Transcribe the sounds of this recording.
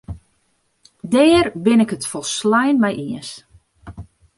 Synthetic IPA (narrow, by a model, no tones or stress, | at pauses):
dɛːrbɪnɪkətfɔlˠslɛjnmɛjʔiəs